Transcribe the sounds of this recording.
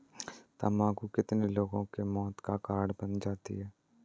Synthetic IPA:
t̪amaːɡukɪt̪neloːɡõkemɔːt̪kakaːɾɽbənd͡ʒaːt̪ḭɦɛː

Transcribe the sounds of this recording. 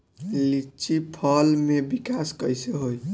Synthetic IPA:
lit͡ʃipʰəlmebikaskəjseɦoj

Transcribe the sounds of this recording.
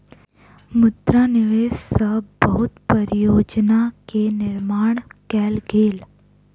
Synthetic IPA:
mʊd̪ɾanɪʋeːʃsəbːɐɦʊt̪pəɾjoːd͡ʒnakenɪɾmaːɳ̃kɛːlɡʱeːl

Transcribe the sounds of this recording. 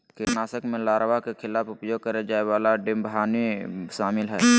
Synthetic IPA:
kenaːsəkmẽlaːɾʋakekʰɪlaːfʊpjoːɡ̚kəɾed͡ʒaːewaːlaɖɪmbɦaːniʃaːmɪlɦɛː

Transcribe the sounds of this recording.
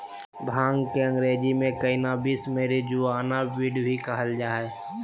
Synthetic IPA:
bʱaːŋɡkeə̃ŋɡɾeːd͡ʒimẽkɐinabismeːɾid͡ʒuaːnaʋiːɖjoɦikəɦəld͡ʒaːɦɛː

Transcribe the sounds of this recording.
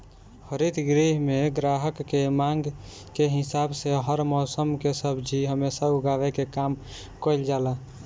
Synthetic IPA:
həɾit̪ɡɾiɦmeɡɾaɦəkːemãŋɡ | keɦɪsaːbseɦəɾmɔːsəmkesəbʱd͡ʒʱiɦəmesauɡaʋekekam | kəɪld͡ʒaːla

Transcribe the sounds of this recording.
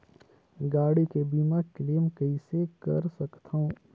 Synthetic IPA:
ɡaːɽikebiːmakleːmkɐisekɐ̰ɾsɐkt̪ʰaõ

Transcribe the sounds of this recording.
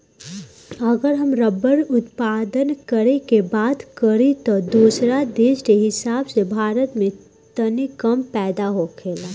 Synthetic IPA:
ɐɡəɾɦɐmɾəbəɾʊt̪paːd̪ənkəɾekebaːd̪kəɾit̪od̪uːsɾad̪eːʃkeɦɪsaːbsebʱaːɾət̪mẽ | t̪ɐnikəmpɛːd̪aɦokʰeːlaː

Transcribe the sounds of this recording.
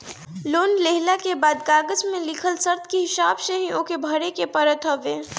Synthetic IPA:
loːnleɦlakebaːd̪̚ɡaːɡəzmẽlɪkʰəlsəɾt̪ʰkiɦɪsaːbseɦĩʔõːkebʱɐɾekepəɾət̪ʰɦəʋẽː

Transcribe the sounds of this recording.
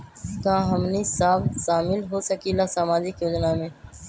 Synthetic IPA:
kãːɦəmnisaːbʃaːmɪlɦoːsəkilaːsaːmaːd͡ʒɪkjoːd͡ʒnaːmẽː

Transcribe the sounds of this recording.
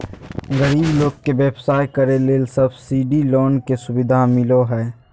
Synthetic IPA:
ɣəɾiːbloːɡ̚keʋɛːpsaːjkəɾeleːlsɐbsiːɖiloːnkesʊbɪd̪ʱamɪloɦɛː

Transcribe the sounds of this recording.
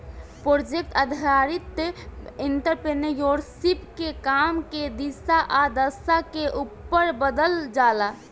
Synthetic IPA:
pɾod͡ʒek̚ʈəd̪ʱaɾit̪ː | inʈəɾpɾenəjoɾsipkekamked̪isaʔad̪əsakeʔupːəɾbəd̪əld͡ʒala

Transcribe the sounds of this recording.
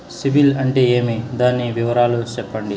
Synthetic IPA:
sibilɐɳʈeeːmid̪aːnːiʋiʋɐɾaːlut͡ʃɛpːɐɳɖi

